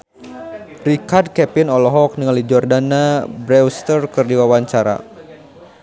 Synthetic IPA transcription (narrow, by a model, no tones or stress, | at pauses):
rikard̚kɛpinɔlɔɦɔk̚niŋaldid͡ʒɔrdanabɾɛwst̪ərkɨrdiwawaɲt͡ʃaɾa̰